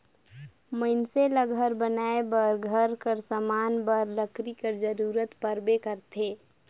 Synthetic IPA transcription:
məɪnseləɡʱəɾbənaebəɾɡʱəɾkəɾsəmaːnbəɾləkɾikəɾd͡ʒəɾuːɾət̪pəɾbekəɾt̪ʰeː

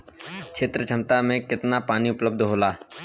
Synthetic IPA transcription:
kʃʰeːt̪ɾət͡ʃʰɐmt̪amẽkɪt̪napaːniʊpləb̚d̪ʱɦoːlaː

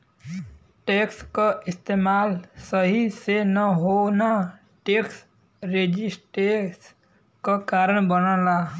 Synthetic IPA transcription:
ʈekskoist̪emalsəɦisenʌɦona | ʈeks | ɾed͡ʒisʈes | kakaɾəɳbənəla

